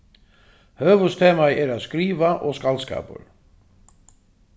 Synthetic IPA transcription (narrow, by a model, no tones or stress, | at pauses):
hœːvɵst̪ʰeːmaɛɾaðskɾiːvaʔɔskalska̰ːpə̰ɾ